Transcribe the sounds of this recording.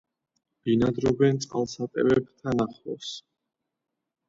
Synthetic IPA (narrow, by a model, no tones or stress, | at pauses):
b̥inad̪ɾɔbɛnt̪sʼqʼa̰lˠsat̪ʼɛ̰vɛbt̪ʰanaχɔs